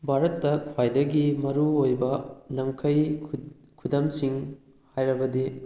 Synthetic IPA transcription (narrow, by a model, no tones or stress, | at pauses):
bʱaɾɐtːɐkʰwajdɐɡimɐɾuojbɐlɐmkʰɐj | kʰudɐmsiŋ | hajɾɐbɐdi